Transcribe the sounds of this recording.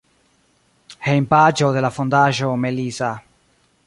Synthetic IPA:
hejmpad͡ʒoðelafond̪aʒomeliza

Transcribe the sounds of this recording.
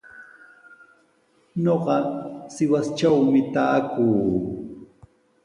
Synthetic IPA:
ɲoɢɑsɪwast͡ʃawmɪt̪aːkuː

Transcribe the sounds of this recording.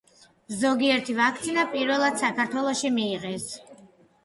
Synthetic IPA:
zɔɡiɛɾt̪ʰivak̚ʰt̪sʰinapʼiɾvɛlˠad̪̥sakʰaɾt̪ʰwɛlˠɔʃimiːʁɛs

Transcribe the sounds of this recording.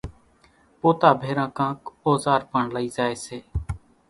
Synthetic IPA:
poːt̪aːbʱeːɾãːkãːkoːzaːɾpəɳləiːzaːeːseː

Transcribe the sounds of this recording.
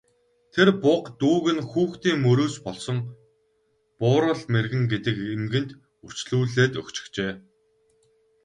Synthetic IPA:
t̪ʰerpʊqt̪uːɣɘ̆nxuːxt̪iːŋmɵɾoːspɔɮsɞ̆ŋ | pʊːɾə̆ɮmerɣɘ̆ŋɡet̪ɘ̆kemɡɘ̆nt̪ | ur̥t͡ɕɮuːɮeːt̪ɵkt͡ɕɪ̥̆xt͡ɕeː

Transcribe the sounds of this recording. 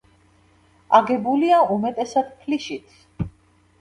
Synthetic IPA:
aɡɛbuliaumɛt̪ʼɛsad̪̥pʰliʃit̪ʰ

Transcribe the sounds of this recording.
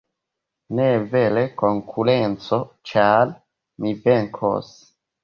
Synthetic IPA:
neve̞le̞koŋkʰuɾent͡so̞t͡ʃaɾ | miveŋkʰo̰s

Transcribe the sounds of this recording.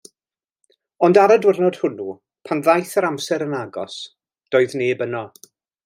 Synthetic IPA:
ɔndaɾadwɪrnɔd̥hʊnu | pʰanðajθəɾamsɛɾənaɡɔ̰s | d̥oːɨðneːbənɔ

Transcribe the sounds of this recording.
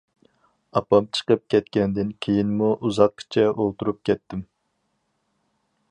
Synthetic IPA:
ɑpɑmt͡ʃʰə̥qəp̚kʲʰɛt̪kʲɛnd̪ɪnkʲʰejinmuʔuzɑq̚kʰi̥t͡ʃʰɛʔolˠt̪uɾup̚kʲɛt̪ːɪm

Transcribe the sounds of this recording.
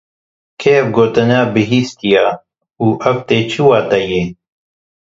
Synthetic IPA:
kʰeːvɡoːt̪ɨnaːbɨɦiːst̪ija | uːʔɐvt̪eːt͡ʃʰuwaːt̪ɐjeː

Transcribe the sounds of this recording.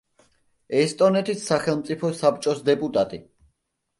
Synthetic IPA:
ɛst̪ʼɔnɛt̪ʰisːaχɛlˠmt̪sʼipʰɔsapt͡ʃʼɔsd̪ɛpʼut̪ʼat̪ʼi

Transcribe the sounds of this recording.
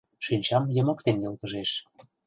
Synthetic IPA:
ʃynʲt͡ɕɑmjə̆mɤ̆k̚t̪enjɤlɣə̆ʒeʃ

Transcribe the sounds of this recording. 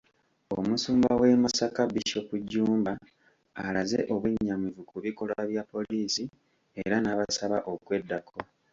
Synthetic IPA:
omusuːmbawe̞masakaβiʃo̞kuɟːuːmbaː | lazḛʔo̞βuɲːamivukuβiko̞laβjapːo̞liːsi | e̞ɾanaβasaβaʔo̞kwe̞dːakʰo

